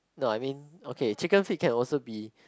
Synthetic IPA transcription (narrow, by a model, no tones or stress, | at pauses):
noajmĩnokʰet͡ʃikə̃nfit̚kʰɛ̃nɔlsobi